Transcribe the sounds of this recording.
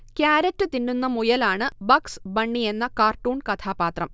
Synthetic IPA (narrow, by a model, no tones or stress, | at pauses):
kjaːɾɐtːɨt̪inːunːɐmujɐlaːɳɨbɐksbɐɳːije̞nːɐkaːrʈːuːɳkɐt̪ʰaːbaːt̪rɐm